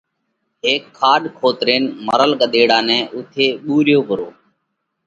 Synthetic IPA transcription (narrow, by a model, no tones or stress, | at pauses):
ɦeːkʰːaːɗkʰoːt̪ɾeːnməɾəlɠəɗ̪eːɽãːnɛ̃ːʔʊt̪ʰeːɓuːɾjoːʋəɾo̰ː